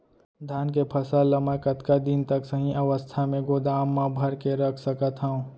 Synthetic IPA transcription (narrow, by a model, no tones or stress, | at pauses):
d̪ʱjaːnk̬epʰɐsalːɐməkɐt̪kad̪int̪ɐksɐɦĩʔɐʋəst̪ʰamẽɡoːd̪aːmːãbʱɐɾkeɾɐkʰsɐkət̪ɦaũː